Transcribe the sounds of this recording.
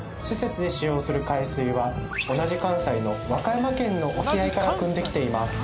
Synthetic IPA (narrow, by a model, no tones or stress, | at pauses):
sese̞t͡sɨd̪e̞ɕijo̞ːsɨɾɯ̟kaisɨiβao̞naʑikãɰ̃saino̞βakaimakẽ̞nːo̞ʔokʲiaikaɾakɯ̟̃nd̪e̞kʲi̥t̪e̞imasɨ̥